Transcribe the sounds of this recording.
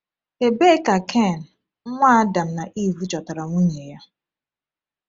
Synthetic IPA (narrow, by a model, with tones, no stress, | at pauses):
e˨be˦ka˨kʰɛ˦˨n̩˨˦ | ŋʷa˦a˦da˨m̩˦na˨ʔi˦˨ɦu˦t͡ʃɔ˨ta˨ɾa˨ŋu˦ɲe˨ja˦